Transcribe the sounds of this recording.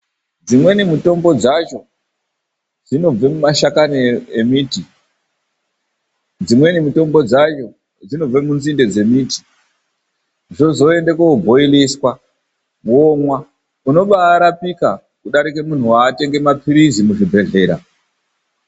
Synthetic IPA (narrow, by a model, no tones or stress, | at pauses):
d͡zimwe̞nimuto̞mbo̞d͡zat͡ʃo̞ | d͡zino̞b͡vemumaʃakaniemiːti | d͡zimwe̞nimito̞mbo̞d͡zat͡ʃo̞ | d͡zino̞b͡vemunzinde̞d͡ze̞miːti̥ | ʐo̞zo̞e̞ndekoubʱo̞iliskwa | womwa | uno̞ɓaːɾapika | kuɗaɾikemun̤uwaːte̞ŋɡe̞mapiɾizimuʐibʱe̞ɮe̞ːɾa